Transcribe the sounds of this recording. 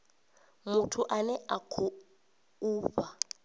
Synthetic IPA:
mutʰuʔanɛakʰu | uːɸa

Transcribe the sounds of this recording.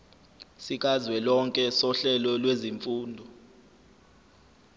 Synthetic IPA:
sik̬ʼazwɛlɔŋkʼɛsɔɬɛlɔlweziɱfuːndʱɔ

